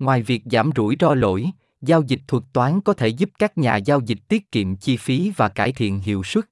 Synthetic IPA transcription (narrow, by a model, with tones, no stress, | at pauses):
ŋwaː˨˩jvi˨˩ək̚za̰ː˧˩mzṵ˧˩jt͡ɕɔ˧lo̰˧˨j | zaː˧wzï˨˩k̚t̪ʰwə˨˩k̚t̪waː˨˦nkɔ˨˦t̪ʰe˧˩zu˦˥p̚kaː˦˥k̚ɲa̰ː˨˩zaː˧wzï˨˩k̟̚t̪i˦˥ət̚kḭ˧˨əmt͡ɕi˧fi˨˦vaː˨˩kaː˧˩jt̪ʰḭ˧˨ənɦḭ˧˨əwswə˦˥t̚